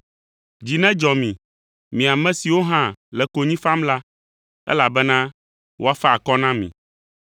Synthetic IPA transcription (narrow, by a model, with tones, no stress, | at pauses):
d͡ʑi˨nɛ̃˦d͡ʒɔ˨mĩ˨ | mĩ˨a˨mɛ̃˦si˨wo˦ɦã˦lɛ˨ko˨ɲĩ˦fã˦mla˦ | ɛ̰˦la˨bɛ˦nã˦ | wo˦a˦fɛ˦a˨kɔ˦nã˦mḭ̃˨